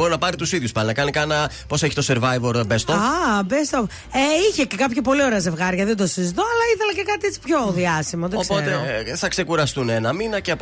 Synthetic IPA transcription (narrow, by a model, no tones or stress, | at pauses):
oɾinɐpɐɾit̪usiðʝuspɐlinɐkɐnikɐnɐ | po̞seçi̥t̪o̞se̞ɾvɐjvoɾbest̪oabest̪of | eiçe̞cekɐpçɐpo̞lio̞ɾe̞ɐze̞vɣɐɾʝɐðend̪osizit̪oɐlɐiθelɐce̞kɐt̪iet͡si̥pço̞ðiɐsimoðeosot̪eθɐkse̞kuɾɐst̪unenɐminɐceɐp